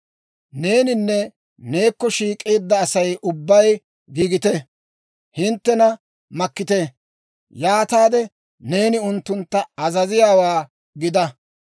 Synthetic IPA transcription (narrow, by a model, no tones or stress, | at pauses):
ne̞ːnɪnːɛ | ne̞ːkːɔʃiːkʼeːd̪ːɐːsɐjʔʊbːɐj | ɡiːɡɪt̪ɛ | hɪnt̪ːɛnɐ | mɐkːɪt̪e | jaːt̪aːd̪ɛ | ne̞ːnɪʊnt̪ːʊnt̪ːɐɐzɐzɪjaːwaː | ɡɪd̪ɐ